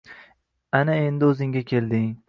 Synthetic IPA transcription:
anae̞nd̪ɪɵzɪŋɡʲakʲʰe̞ld̪ɪŋ

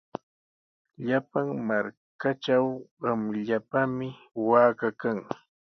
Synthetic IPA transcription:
ʎapaŋmaɾ | kaʈ͡ʂawɢɑmʎapamɪ | waːkakaŋ

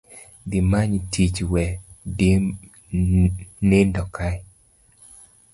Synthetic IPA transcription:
dɪmaɲtʰit͡ʃwɛdi | nendɔkʰaj

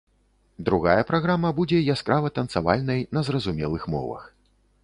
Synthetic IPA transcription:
d̪ɾuɣajɐpɾaɣɾamɐbud͡zʲɛjaskɾavɐt̪ɐnt̪sava̰lʲnɐjnɐzrɐzumʲɛlˠɨxmɔ̰vɐ̰x

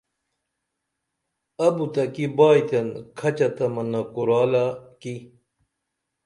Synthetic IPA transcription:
ɐbut̪ɐkibaːjt̪ɐnkʰɐt͡ɕɐt̪ɐmɐnɐkuɾaːlaki

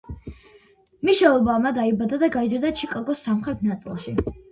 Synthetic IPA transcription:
miʃɛlˠɔbamad̪aibad̪ad̪aɡaizɾd̪at͡ʃʰikʼɔlɡɔsːamχɾɛt̪̚ʰnat̪sʼḭlˠʃi

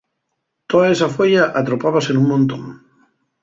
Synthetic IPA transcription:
t̪oðaesafoʎaʔat̪ɾopaβasenũŋmõnt̪õ̰ŋ

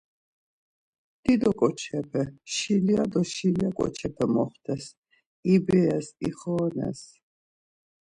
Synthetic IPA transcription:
d̪̥id̪ɔkʼɔt͡ʃʰɛpʰɛʃiliad̪ɔʃiliakʼɔ̰t͡ʃʰɛpʰɛmɔχt̪ʰɛs | ibɛasiχɔːnɛ̰s

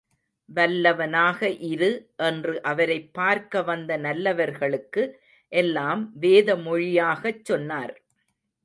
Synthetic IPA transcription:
ʋɐlːɐʋɐnaːɣɐʔɪɾɯʔɛndrɯʔɐʋɐɾɐɪpːaːɾkɐʋɐnd̪ɐnɐlːɐʋɐɾɣɐɭɯkːɯ | ʔɛlːaːmʋeːðɐmɔɻɪjaːɣɐt͡ʃːɔnːaːɾ

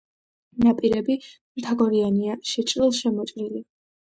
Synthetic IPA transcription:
napʼiɾɛbi | mt̪ʰaɡɔɾianiaʃɛt͡ʃʼɾilˠʃɛmɔt͡ʃʼɾili

